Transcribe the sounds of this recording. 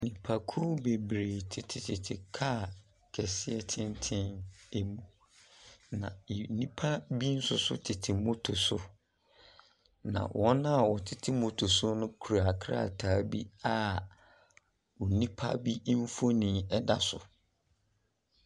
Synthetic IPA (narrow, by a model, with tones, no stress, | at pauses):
nĩ˨pʰa˨kʰu˦be˨bɾeː˨tʰɪ˨tʰɪ˨tʰɪ˨tʰɪ˨kʰa˦˨ | kʰɛ˨sɪ˦ɛ˦tʰɪ̃˦ntʰɪ̃˦ne˨mũ˨ | nã̰˨nĩ˦pʰa˦bi˦n̩˦sʊ˦sʊ̰˦tʰɪ˨tʰɪ˨mʊ̃˦tʰʊ˨sʊ˦ | nã̰˨wʔɔ̃˦nã˦a˨wɔ˨tʰɪ˦˨tʰɪ˦mʊ̃˨tʰʊ˨sʊ˦nʊ̃˦kʰu˨ɾa˨kʰɾa̰˦˨tʰaː˨˦bḭ˦a˦ | u˨nĩ˦pʰa̰˦bi˦m̩˦fo˦nĩ˦ɛ˦da˦sʊ˨